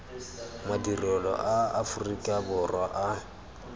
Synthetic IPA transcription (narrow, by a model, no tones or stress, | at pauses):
madirɔlɔ̰ʔaafʊrikʼabʊrwaʔa